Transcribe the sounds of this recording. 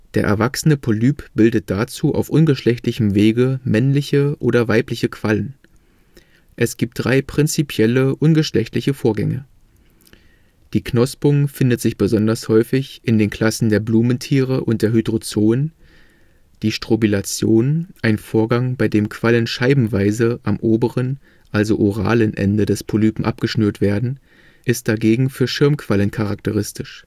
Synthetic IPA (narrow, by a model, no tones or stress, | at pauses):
d̥eːɐʔɛ̰ɐvaksənəpʰolyːpb̥ɪldət̚d̥at͡suːʔa̰ʊfʔʊnɡəʃlɛçtlɪçəmveːɡəmɛnlɪçəʔoːɾɐvaɪplɪçəkʰv̥alən | ʔɛsɡ̥iːp̚td̥ʁaɪpʁ̥ɪnt͡sipʰjɛləʔʊnɡəʃlɛçtlɪçəfoːɐɡɛ̰ŋə | d̥iːknɔspʊŋfɪndətz̥ɪçb̥əzɔndɐshɔʏfɪçʔɪndeːnkʰl̥asn̩deːɐbluːməntʰiːʁəʔʊnt̚d̥eːɐɦydʁot͡soːən | d̥iːʃtʁ̥ubilat͡sjoːnʔaɪnfoːɐɡaŋbaɪdeːmkv̥alənʃaɪbm̩vaɪzəʔamʔoːbəʁən | ʔalzoʔoʁa̰ːlənʔɛ̰ndədɛspʰolyːpm̩ʔa̰p̚ɡ̥əʃnyːɐtv̥eːɐdn̩ | ʔɪst̚d̥aɡeːɡŋ̩fyːɐʃɪɐmkʰv̥alənkʰaʁak̚təʁ̞ɪstɪʃ